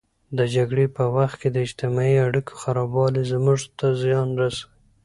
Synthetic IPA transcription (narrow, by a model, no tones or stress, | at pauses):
d̪əd͡ʒaɡɽepəwaxt̪̚ked̪əɪd͡ʒt̪ɪmɑiaɽikʰo̥xaɾɑbɑlezmuʐt̪azjɑnɾasawi